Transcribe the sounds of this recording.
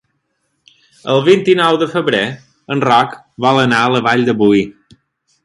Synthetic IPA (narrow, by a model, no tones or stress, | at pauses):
əlˠβint̪inɔwðəfəβɾe | ənrɔk | βɔlˠənaələβaʎd̪əβuj